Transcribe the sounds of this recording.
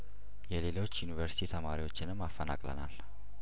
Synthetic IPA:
jɛle̞lo̞t͡ʃːjunivəɾsi̥t̪ʰit̪ʰəmaɾiwo̞t͡ʃːɪnɨmːafːəna̰kʼlə̰na̰l

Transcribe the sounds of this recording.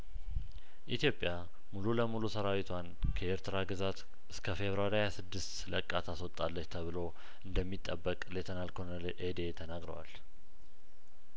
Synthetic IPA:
ʔit̪ijo̞pʼja | mululəmulusəɾawit̪ʰwankʰəeɾt̪ʰɨɾaɡɨzat̪ | ɨskʰəfe̞βɾaɾhajasɨd̪ːɨst̪ləkʼːat̪ʰaswɔt̪ʼːalːət͡ʃːt̪ʰəβɨlo̞ | ʔɨnd̪əmːit̪ʼːəbːəkʼlet̪ʰənalkʰonəlʔed̪e̞t̪ʰənaɡɾə̰wa̰l

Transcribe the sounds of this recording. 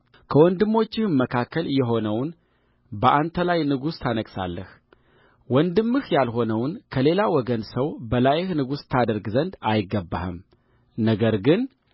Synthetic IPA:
kʰəwɔnd̪ɨmːo̞t͡ʃːɪhmmːəkʰakːəlɨjːɛɦo̞nəwn | bəʔant̪ʰəlajnɨɡust̪ʰanəɡsa̰lːəh | wɔnd̪ɨmːɨhjalɦo̞nəwnkʰəle̞lawɔɡənsəwbəlajɪhnɨɡust̪ʰad̪əɾɡzənd̪ajɪɡːəbːa̰hɨ̰m | nəɡəɾɡɨn

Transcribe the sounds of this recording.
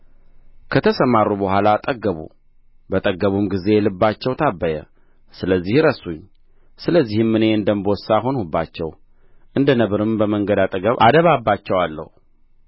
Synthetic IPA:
kʰət̪ʰəsəmarːubəhʷalat̪ʼəɡəβṵ | bət̪ʼəɡəβumɡize̞lɨbːat͡ʃːɛwt̪ʰabːəjə̰ | sɨləzːihɾəsuɲː | sɨləzːihɨmːɨne̞ɨnd̪əmbosaɦo̞nhubːat͡ʃːɛw | ʔɨnd̪ənəβɾɨmbəməŋɡəd̪at̪ʼəɡəβad̪əβabːat͡ʃːɛwalːə̰hu

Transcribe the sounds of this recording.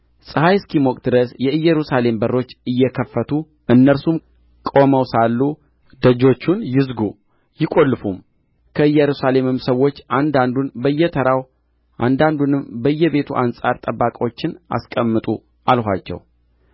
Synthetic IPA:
sʼɨhajskimokʼd̪ɨɾəsjɛɨjːɛɾusale̞mbərːo̞t͡ʃːɨjːɛkʰəfːət̪ʰu | ʔɨnːəɾsum | kʼo̞məwsalːu | d̪əd͡ʒo̞t͡ʃːunjɪzɡu | jɪkʼo̞lːɨfum | kʰəɨjːɛɾusale̞mɨmsəwo̞t͡ʃːand̪and̪unbəjːɛt̪ʰəɾaw | ʔand̪and̪unɨmbəɨjːɛβe̞t̪ʰuʔansʼaɾt̪ʼəbːakʼo̞t͡ʃːɪnʔa̰skʼəmːɨt̪ʼu | ʔalha̰t͡ʃːɛ̰w

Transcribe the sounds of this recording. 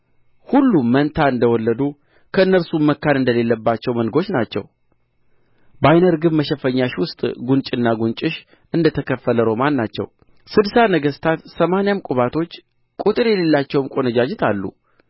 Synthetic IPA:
hulːumːənt̪ʰaɨnd̪əwɔlːəd̪u | kʰəɨnːəɾsumməkːanɨnd̪əle̞lːəbːat͡ʃːɛwmənɡo̞t͡ʃːnat͡ʃːɛ̰w | bajnəɾɡɨmːəʃəfəɲːaʃwʊst̪ʼɡunt͡ʃʼɨnːaɡunt͡ʃʼɨʃ | ɨnd̪ət̪ʰəkʰəfːələɾo̞manːat͡ʃːɛ̰w | sɨd̪sanəɡəst̪ʰat̪səmanjamkʷʼuβat̪ʰo̞t͡ʃː | kʼut̪ʼɨɾjɛle̞lːat͡ʃːɛwmkʼo̞nəd͡ʒad͡ʒɪt̪ʰalːṵ

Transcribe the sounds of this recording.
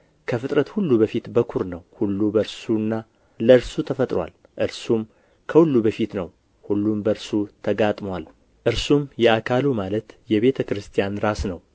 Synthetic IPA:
kʰəfɨt̪ʼɾət̪hulːubəfit̪bəkʰuɾnəwhulːubəɾsuɨnːa | ləɨɾsut̪ʰəfət̪ʼɾwa̰l | ʔɨɾsum | kʰəhulːubəfit̪nəw | hulːumbəɾsut̪ʰəɡat̪ʼmwal | ʔɨɾsumjɛakʰalumalət̪jɛβe̞t̪ʰəkɨɾɨst̪ʰijanɾasnəw

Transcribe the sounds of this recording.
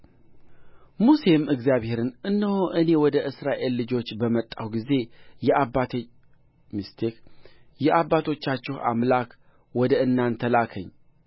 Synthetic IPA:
muse̞mɨɡzijaβhe̞ɾɨnɨnːəwoʔɨne̞wɔd̪əʔɨsɾaʔe̞lːɨd͡ʒo̞t͡ʃːbəmət̪ʼːawɡize̞jɛʔabat̪ | mist̪ʰekjɛʔabːat̪ʰo̞t͡ʃːat͡ʃːɪha̰mlak | wɔd̪əɨnːant̪ʰəlakʰəɲː

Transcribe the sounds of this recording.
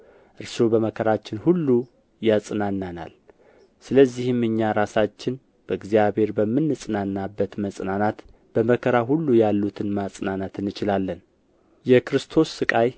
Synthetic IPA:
ʔɨɾsobəməkʰəɾat͡ʃːɪnhulːu | jasʼɨnanːana̰l | sɨləzːihɨmːɨɲːaɾasat͡ʃːɪn | b̥əɨɡzijaβhe̞ɾbəmːɨnːɨsʼɨnanːabːət̪məsʼnanat̪ | b̥əməkʰəɾaɦulːujalːut̪ʰɨnmasʼnanat̪ɨnːɨt͡ʃɪlalːən | jɛkɾɨst̪ʰo̞sːɨkʼaj

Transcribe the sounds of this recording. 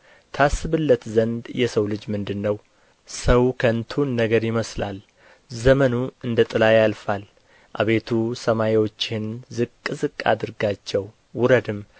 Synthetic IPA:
t̪ʰasːɨβɨlːət̪zənd̪jɛsəwlɨd͡ʒmɨnd̪ɨnːəw | səwkʰənt̪ʰunːəɡəɾjɪməslal | zəmənuɨnd̪ət̪ʼɨlajalfal | ʔa̰βe̞t̪ʰusəmaewo̞t͡ʃːɪnzɨkʼːɨzɨkʼːa̰d̪ɨɾɡat͡ʃːɛwː | ʊɾəd̪ɨm

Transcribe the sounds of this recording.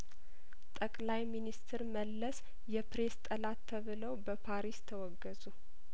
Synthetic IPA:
t̪ʼəkʼlajminist̪ʰɨɾməlːəs | jɛpɾe̞st̪ʼəlat̪ʰːəβɨləwbəpʰaɾist̪ʰəwɔɡːəzu

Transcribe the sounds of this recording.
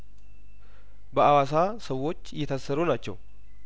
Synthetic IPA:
bəawasasəwːo̞t͡ʃːjɛt̪ʰəsːəɾunat͡ʃːɛ̰w

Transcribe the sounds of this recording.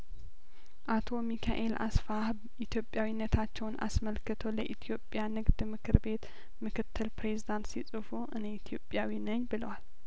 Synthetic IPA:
ʔat̪ʰo̞mikʰaʔe̞lʔa̰sfahbʔit̪ʰjo̞pʼjawinːət̪ʰat͡ʃːɛwna̰sməlkɨt̪ʰoləʔit̪ʰijo̞pʼjanɨɡd̪mɨkʰɨɾbe̞t̪ | mɨkʰɨt̪ʰːɨlpɾe̞zid̪ant̪sisʼɨfuʔɨneit̪ʰijo̞pʼjawinəɲːbɨləwal

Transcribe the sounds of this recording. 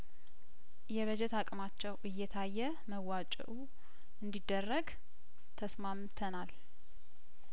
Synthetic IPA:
jɛβəd͡ʒɛt̪akʼmat͡ʃːɛwʔɨjːɛt̪ʰajːɛ | məwat͡ʃʼɛ̰ʔu | ʔɨnd̪id̪ːərːəɡ | t̪ʰəsmamt̪ʰənal

